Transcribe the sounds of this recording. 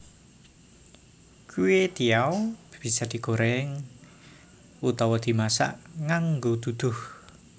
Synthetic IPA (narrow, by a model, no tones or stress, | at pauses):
kuwet̪iawb̥isad̪̥i̤ɡoɾɛŋ | ut̪ɔwɔd̪̥i̤masa̰ʔŋaŋɡod̪̥ud̪̥ʊh